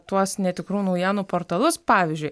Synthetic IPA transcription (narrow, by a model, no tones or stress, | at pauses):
t̪uɔsnʲɛt̪ʲɪkɾuːnɐʊjæːnuːpoːɾt̪ɐlˠʊspɑːʋʲɪzʲd͡ʒʲʊɪ